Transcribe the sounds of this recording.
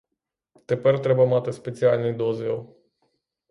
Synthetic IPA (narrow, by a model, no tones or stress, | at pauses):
t̪epərt̪ɾebəmat̪espʲet̪sialʲnejd̪ozelˠ